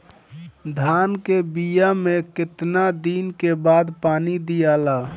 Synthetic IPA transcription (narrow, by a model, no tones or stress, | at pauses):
d̪ʱaːnkebijamekɪt̪nad̪iːnkebaːd̪paːnid̪ijala